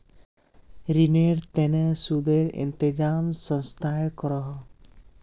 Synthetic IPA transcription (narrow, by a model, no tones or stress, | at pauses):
ɾineɾt̪ɛnɛsud̪eɾḭnt̪ed͡ʒamsɔ̃nst̪ʰajkɔɾɔɦɔ